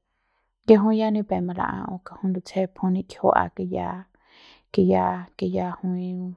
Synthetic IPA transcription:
je˧ɦũ˦ĩ˦ja˦nĩ˧pe˨mã˧la̰˧ʔã̰˧ʔõ̰˧ka˧hũ˦nd̪u˧t͡sʰe˦pʰũ˧nĩ˧ke̥˨ho˦ʔa̰˧ke˧ja˦ | ke˧ja˧ke˧ja˧hũ˧ĩ˧

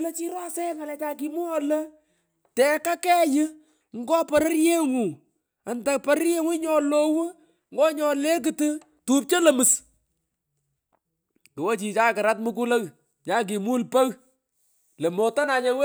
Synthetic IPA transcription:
le˦t͡ʃi˦ɾa˦sɛ˦ŋa˨lɛ˨t͡ʃa˨ki˦mu˦ɔ˦lə˦ | tɛ˨ka˦kɛ˦jɪ˦ | ŋɡɔ˦pɔ˨ɾə˦ɾje˦ŋu˨ | a˨nta˨pɐ˨ɾə˦ɾje˦ŋu˦ɲɔ˨lo˦wo˦ | ŋɡɔ˦ɲɔ˨le˦k̬ɨ˨tɨ˦ | tu˦p̚t͡ʃe˦lə˨mɨ˨s | kwo˦t͡ʃi˨t͡ʃa˦kɪ˨ɾa˦t̚mɨ˦k̬u˦lə˦k | ɲa˦k̬i˨mu˦lpə˦ɣ | le˨mo˨tɔ˦na˨ɲe˨w

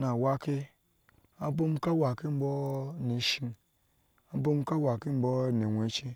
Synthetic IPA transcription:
na˨wa˦ki˦ | a˨bo˦m˦ka˦wa˨ki˦m̩˦bo˦ne˨ʃi˦n | a˨bo˦m˦ka˦wa˨ki˦m̩˦bo˦ne˨wʷe˨˦t͡ʃi˦

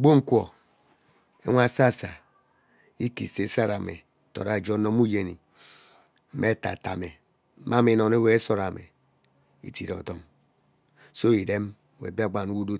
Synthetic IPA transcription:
ɡ͡bo˦ŋ̩˦kʷo˨ | ḛ˦ŋʷ˦a˦˨sa˦˨sa˨ | i˦ki˨se˦sa˦ɾa˨mḛ˨ | to̰˨ɾa˨d͡ʒo˦no˦mu˦je˨ni˨ | m̩˦me˦ta̰˨ta̰˨me˨˦ | ma˦mi˨no˨ne˦we˦e˦so˨ɾa˨mḛ˨ | ḭ˨ti˨ɾɔ̰˨to˦ŋ | so˦i˨de˦m˨ | wḛ˨bi˦a˦ɡ͡ba˨nu˦wu˦do˦

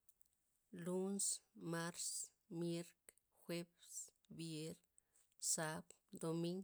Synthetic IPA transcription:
lu˦nsma˦ɾs | mje˦ɾk | xwe˦ps | bje˦ɾ | sa˦b | d̪o˧mi˦ŋ

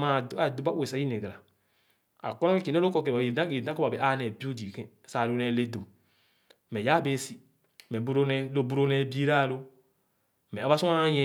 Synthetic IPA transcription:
ma˨˦a˨do˨˦ba˦e˨sa˨˦i˦ne˨ɡɾa˨ | a̰˨kɔ˦nɔ˦ke˦ki˨ne˦lo˦ko˦˨ke˨a˨i˨da˦ki˨na˦ko˦ba˨e˨ʔa˦nɛ˨bi˦u˦di˨kɛ̃˦˨sa˨ɾo˨˦nɛ˨le˦do˨ | mɛ˨ja˦be˦si˨ | mɛ˨bɾn˦lo˨bu˦ɾo˦nɛ˨bi˦ɾa˦˨lo˦ | mɛ˨a˨˦ba˦su˦a˦ɲɛ̃˦

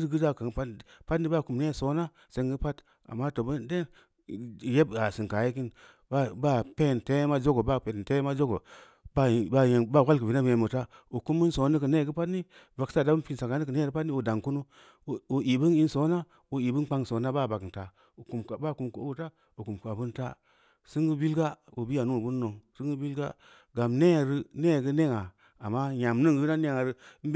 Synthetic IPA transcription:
ɾɡi˦da˦˨ka˨ŋpa˦pa˦tni˦ba˦˨ku˨mne˦˨so˨˦na˦ | se˦ŋɡə˦pa˦t | a̰˨mːa˦to˨bu˦de˦˨ | je˦ba˨si˨ŋka˨je˦ki˦n | ba˦ba˦˨pe˦˨nte˦ma˦d͡ʒo˦ɡo˨ba˦˨pe˨te˦ma˦d͡ʒo˦ɡo̰˨ | ba˦˨ba˦je˨ba˦˨wʷa˦lkə˨vi˨na˦bje˨mu˨ta˦u˨ku˦mːi˦nso˨˦ni˦kə˨ne˦˨ɡə˦pa˦tni˦ | va˨ksa˦˨da˦bu˦pi˨nsa˨ka˨˦ni˦kə˨ne˦˨ɡə˦pa˦tni˦u˨da˨ŋku˦nu˦˨ | o˨i˨bɨ˦ni˦nso˨˦na˦ | o˨i˨bɨ˦n˦k͡pa˦ŋ˨so˨˦na˦ba˦˨ba˨kta˨ | o˨ku˨m˨ba˦˨ku˨mku˨˦ta˦ | o˨ku˨m˨ka˨bu˦nta̰˦ | sɨ˦ŋɡu˦bi˦lɡa˦o˨bi˦ja˨nu˦˨bu˦nː˦o˨ŋsɨ˦ŋɡɨ˦bi˦lɡa˦ | ɡa˨mne˦˨ɾɨ˦ne˦˨ɡə˦ne˦ŋa˨ | a˨mːa˦ja˨m˦nɨ˦ŋɡna˦ne˦ŋa˨ɾɨ˦m˦

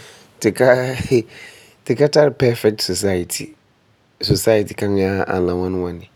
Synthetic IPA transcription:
te˨ka˦ | te˨ka˦ta˦ɾpɛ˦fɛ˦k̚tso˨sa˦ja˨tʰi˨ | so˨sa˦ja˨ti˨kã˦ŋ˦a˦ã̰˨lã˨wã˦nwã˦nɪ˨

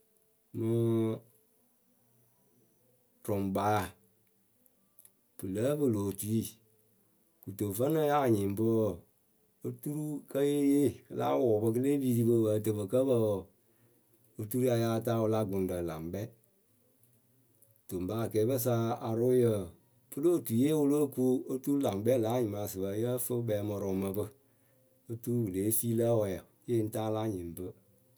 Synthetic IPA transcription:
mɨ˧ | tʊ˨mba˦˨ | b̥ɨ˨lə˦bɨ˦˨loː˨tu˨˦i˦ | ku˨to˨fə˦nə˦ja˦a˨ɲi˨mbə˦˨ | ə˦tu˦ɾu˦kə˦je˦je˦˨kə˨la̰˦wʊ˨bə˧kə˦le˦bi˨ti˧bə˧bə˨tə˨bə˨kə˦bə˦˨ | o˦tu˦ɾu˦a˧ja˧˦˧ta˦wʊ˧la˦ɡo˨n˦də˨la˨ŋbɛ˦ | d̥o˨mba˦˨kɛː˨˦bə˦s̬a˧˦a˨ɾʊ˦jə˨ | pɨ˦lo˦˨tu˨je˦wʊ˦lo˦ku˦o˦tu˦ɾu˦la˨ŋbɛ˦laː˨˦ɲi˨ma˨sɨ˨bə˨˦jə˦fɨ˦bɛ˨˦mɔ˧ɾɔ˨ŋmə˧bə˧ | ə˦tu˦ɾu˦wɨ˨leː˨˦siː˦lə˦wɔ˨ja˨˦je˦n̩˦taː˦la˦ɲĩ˨m˨bə˦

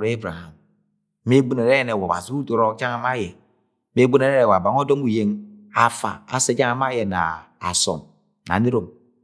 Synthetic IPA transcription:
ɾe˦bɾa˨ha˨m | me˦ɡ͡bu˦ne˨ɾe˦je˨ne˨wo˨a̰˨zi˦u˦do˨ɾo˦d͡ʒa˦ŋa˦ma˦je˨ | me˦ɡ͡bu˦ne˨ɾe˦ɾe˨wa˨ba˨ŋo˦do˦mu˨je˦ŋa˦fa̰˨a̰˨se˦d͡ʒa˦a˦ma˦je˨na̰˨ | a̰˨sɔ̰˨n | na̰˨ne˦ɾo˨m

